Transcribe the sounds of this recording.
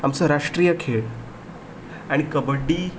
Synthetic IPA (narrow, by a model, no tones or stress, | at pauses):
amsəɾaʂʈɾijəkʰeɭ | aɽ̃ikəbəɖːi